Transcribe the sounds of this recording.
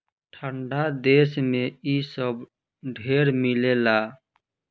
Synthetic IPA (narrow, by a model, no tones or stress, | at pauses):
ʈʰəɳɖad̪esmẽisəb | ɖʱeːɾmilela